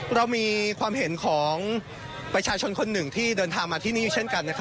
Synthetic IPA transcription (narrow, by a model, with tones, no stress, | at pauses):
ɾa˧wmiː˧kʰwaː˧mɦe˩˦nkʰɔː˩˦ŋ | pɾa˧t͡ɕʰaː˧t͡ɕʰo˧nkʰo˧nːɯ˨˩ŋt̪ʰiː˥˩dɤː˧nt̪ʰaː˧ŋmaː˧t̪ʰiː˥˩niː˦˥˨u˨˩t͡ɕʰe˥˩nka˧nːa˦˥kʰa˦˥